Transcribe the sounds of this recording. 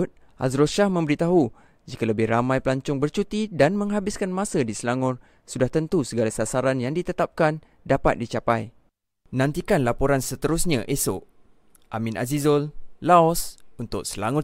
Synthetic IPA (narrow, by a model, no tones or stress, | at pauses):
t̪̚ | ʔa̰zɾoʃahmə̃mbəɾit̪aɦu | d͡ʒikaləbɪhramãjpəlaɲt͡ʃʊŋbərt͡ʃut̪idanmə̃ŋɦabɪskanmãsədisəlaŋʊt | sudaht̪ənt̪usəɡalasasaɾanjaŋdit̪ət̪ap̚kan | dapa̰t̪̚dit͡ʃapaj | nãnt̪ikanlapoɾansət̪əɾusɲãʔesʊʔ | ʔamĩnʔa̰zizɔllaɔsunt̪ʊk̚səlaŋʊ